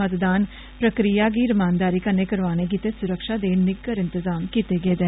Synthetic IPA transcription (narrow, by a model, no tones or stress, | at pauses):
ət̪d̪aːn | pɾəkɾijaːɡiːɾɪmaːnd̪aːɾiːkəneːkəɾʋaːñeːɡit̪eːsʊɾəkʃaːd̪eːnɪɡəɾɪnt̪əzaːmkiːt̪eːɡeːd̪ɛː